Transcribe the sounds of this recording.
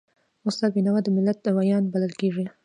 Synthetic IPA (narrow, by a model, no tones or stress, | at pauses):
osɑlbinawad̪əmɪlːat̪̚d̪əwajɑnbaləlkeʐi